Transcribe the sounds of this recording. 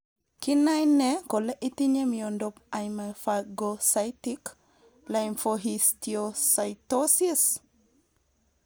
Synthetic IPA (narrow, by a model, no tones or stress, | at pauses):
kinajnekoleʔitiɲemijɔndɔp̚ajmafaɡosajtik | lajmfoɦistiosajtosis